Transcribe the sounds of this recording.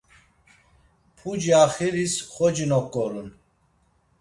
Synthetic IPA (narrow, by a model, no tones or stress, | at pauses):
pʰud͡ʒiaχiɾisχɔd͡ʒinɔkʼːɔɾun